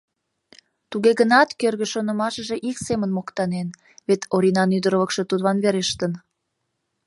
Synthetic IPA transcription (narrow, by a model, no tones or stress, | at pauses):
t̪uɣeɣənɑt̪kørɣeʃonəmɑʃəʒe̽ʔiksemənmokt̪ɑnen | βet̪ʰoɾinɑnyd̪əɾoβəkʃət̪ud̪βɑnβeɾeʃt̪ən